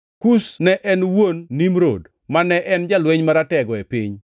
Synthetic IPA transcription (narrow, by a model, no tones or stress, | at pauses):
kusnɛʔɛnwonːimɾo̰d | manɛʔɛnd͡ʒalweɲmaɾatɛɡɔepḭɲ